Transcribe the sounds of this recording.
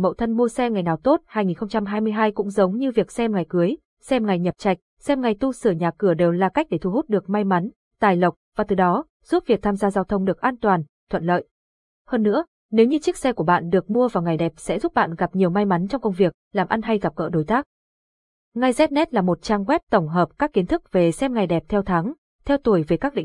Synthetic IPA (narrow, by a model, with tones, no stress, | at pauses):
mə̰˧˨wt̪ʰə˧nmu˧əsɛ˧ŋa˨˩jnaː˨˩wt̪o˦˥t̚haː˧jŋi˨˩nxə˧ŋ͡mt͡ɕa˧mɦaː˧jmɨ˧əjɦaː˧jkʊ̰˧˥ŋ͡mzə˨˦wŋ͡mɲɨ˧vi˨˩ək̚sɛ˧mŋa˨˩jkɨ˨˦əj | sɛ˧mŋa˨˩jɲə˨˩p̚t͡ɕa˨˩jk̟̚sɛ˧mŋa˨˩jt̪u˧sɨː˧˩ɲaː˨˩kɨ˧˩əɗe˨˩wlaː˨˩ka˦˥k̚ɗe˧˩t̪ʰu˧˩hu˦˥t̚ɗɨ˨˩ək̚ma˧jma˨˦n | t̪aː˨˩jlə˨˩wk͡p̚vaː˨˩t̪ɨ˨˩ɗɔ˨˦ | z̥u˦˥p̚vi˨˩ək̚t̪ʰaː˧mzaː˧zaː˧wt̪ʰə˧wŋ͡mɗɨ˨˩ək̚ʔaː˧nt̪waː˨˩n | t̪ʰwə̰˧˨nlə̰ː˧˨jʔ | həː˧nːɨ̰˧˥ə | ne˨˦wɲɨ˧t͡ɕi˦˥k̚sɛ˧ku˧˩əɓa̰ː˧˨nɗɨ˨˩ək̚mu˧əvaː˨˩wŋa˨˩jɗɛ˨˩p̚sɛ̰˧˥zu˦˥p̚ɓa̰ː˧˨nɣa˨˩p̚ɲi˨˩əwma˧jma˨˦nt͡ɕɔ˧wŋ͡mkə˧wŋ͡mvi˨˩ək̚laː˨˩mʔa˧nɦa˧jɣa˨˩p̚ɣə̰ː˧˥ɗo˨˦jt̪aː˦˥k̚ | ŋa˧jzɛ˦˥t̚nɛ˦˥t̚laː˨˩mo˨˩t̚t͡ɕaː˧ŋɣwɛ˦˥p̚t̪ə˧˩wŋ͡mɦəː˨˩p̚kaː˦˥kːi˨˦ənt̪ʰɨ˦˥k̚ve˨˩sɛ˧mŋa˨˩jɗɛ˨˩p̚t̪ʰɛ˧wt̪ʰa˨˦ŋ | t̪ʰɛ˧wt̪u˧˩əjve˨˩kaː˦˥k̚ɗḭ̈˧˨ŋ